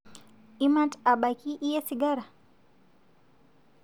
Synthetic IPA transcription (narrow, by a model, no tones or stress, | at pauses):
imataɓakiʔiɛsiɡaɾa